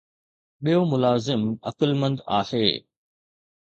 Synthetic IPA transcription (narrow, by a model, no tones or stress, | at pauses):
ɓijomʊlaːzɪmɐ̰kəlmə̃nd̪a̰ːheː